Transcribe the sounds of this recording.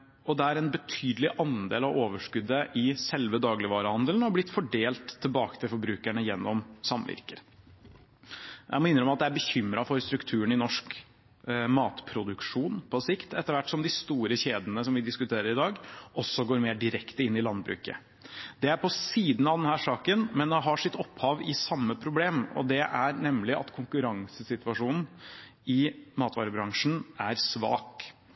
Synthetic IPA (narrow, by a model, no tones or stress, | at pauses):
ɔd̪ɛæɾɛnbət̪ʰyːd̪lɪʔɑnd̪ḛːlɑʋoːʋəʂkʉd̪ːəʔɪsɛlʋəd̪ɑːɡlɪʋɑːɾəhɑnd̪əln̩ɔblɪt̪ːfɔɖeːlt̪ʰːɪlbɑːkə̥t̪ʰɪlfɔɾbɾʉːkæɳəjɛnːɔmsɑmʋɪ̰ɾkəɾ | ʔæɪmɔɪnɾəɔmɑt̪̚d̪ɛæɾbəçʏmɾɑfɔɾst̪ɾʉkt̪ʰʉːəɳɪnɔʂk | mɑːt̪pʰɾʊd̪ʉkʂuːnpʰɔsɪkt̪ɛt̪ːəɾʋæʈːsɔmd̪ɪst̪uːɾəçeːd̪ənəs̬ɔmʋɪd̪ɪskʉt̪ʰeːɾəɾɪd̪ɑːɡʔɔsːɔɡoːɾmeːɖɪɾɛkt̪əɪnːɪlɑnd̪bɾʉ̰ːkə̰ | d̪ɛæɾpʰɔsiːd̪n̩ɑʋd̪ɛnhæːʂɑːkənmɛnd̪ɛɦɑʂɪt̪ːɔphɑːʋɪsɑmːəpʰɾʊbleːmɔ̰d̪ɛʔæɾnɛmlɪʔɑ̰t̪kʰʊŋkʉɾɑŋsəsɪt̪ʋɑʂuːnn̩ɪmɑːt̪ʋɑ̰ːɾəbɾɑŋʂn̩æɾsʋɑ̰ːk